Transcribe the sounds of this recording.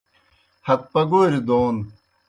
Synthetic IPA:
hɐt̪̚pɐɡoːɾid̪oːn

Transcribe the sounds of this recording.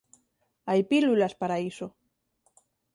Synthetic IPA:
ajpilulaspaɾaiso

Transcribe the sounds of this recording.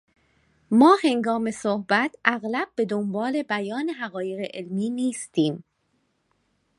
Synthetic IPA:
mɒːhe̞ŋɡɒːme̞sohbæt̪ʰæɣlæb̚ːe̞d̪ombɒːle̞bæjɒːneɦæɣɒːje̞ɣeʔelmiːniːst̪ʰiːm

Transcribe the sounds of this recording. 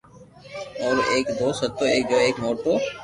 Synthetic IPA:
ɔːɾeːkd̪oːsɐt̪ːoḛːkɡeːkmoːʈoː

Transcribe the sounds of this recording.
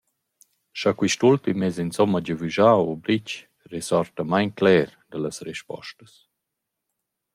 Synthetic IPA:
ʃakwiʃtult̪imɛzinsɔmaɟəvyʒawobɾit͡ʃ | resɔɾtəmajnklɛːɾdalasrɛʃpɔ̰ʃtəs

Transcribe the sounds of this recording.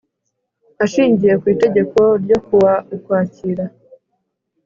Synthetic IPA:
aʃiːɲɟije̞kwiːte̞ɟe̞ko̞ɾɟo̞kuwaikwaːciɾa

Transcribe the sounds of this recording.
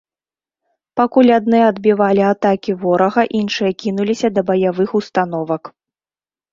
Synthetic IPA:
pakulʲad̪nɨjɐɐd̪bʲivalʲiat̪akʲivɔɾɐɣɐʔinʂɨjɐkʲinulʲisʲɐd̪ɐbɐjavɨxust̪anɔvɐk

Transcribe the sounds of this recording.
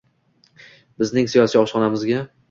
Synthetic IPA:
bɪznɪŋsijɒsiːɒʃqɒnamɪzɡʲa

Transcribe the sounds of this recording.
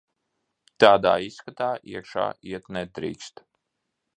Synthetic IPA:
t̪aːd̪a̰ːiskat̪aːʔiɛkʃa̰ːiɛt̪nɛd̪̚d̪ɾḭːkst̪

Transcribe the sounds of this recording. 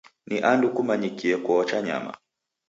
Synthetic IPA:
niʔandukumaɲikiɛkɔɔt͡ʃaɲa̰ma̰

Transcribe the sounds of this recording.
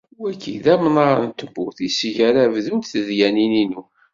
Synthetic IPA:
wækʰːḭðæmnɑɾˤənt̪əbːuθisʝæɾævðunt̪θəðjænininu

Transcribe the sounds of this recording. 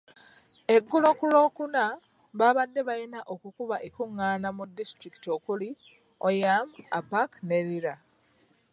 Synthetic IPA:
e̞ɡːulo̞kulo̞ːkuna | βaβadːe̞βajinaʔo̞kukuβaʔekuŋːaːnamudːistɾiki̥tiokuli | ojama̰pakne̞ɾiɾa

